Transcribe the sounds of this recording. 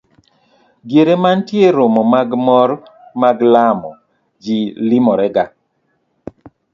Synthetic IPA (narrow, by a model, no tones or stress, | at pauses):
ɡeɾemantjeɾomɔmaɡmɔɾmaɡlamɔ | d͡ʒilimɔɾɛɡa